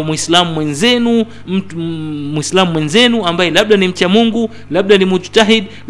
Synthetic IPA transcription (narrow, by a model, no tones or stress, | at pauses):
muislamumwɛnzɛnu | m̩muislamumwɛnzɛnuambajɛlaɓ̚ɗanim̩t͡ʃamuŋɡu | laɓ̚ɗanimud͡ʒu̥taɦid | l